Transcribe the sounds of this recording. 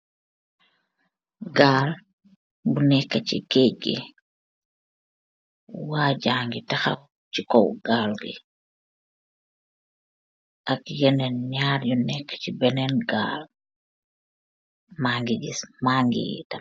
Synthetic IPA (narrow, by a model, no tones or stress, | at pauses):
ɡaːl | bunɛkːat͡ʃḭkeɡḭ | waːɟaːŋɡitaxa̰ | t͡ʃikɔ̰wɡaːlɡḭ | ʔakjɛnɛnɲaːɾjunɛkːḁt͡ʃibɛnɛnɡa̰ːl | maːŋɡiɡismaŋɡḭɡḭta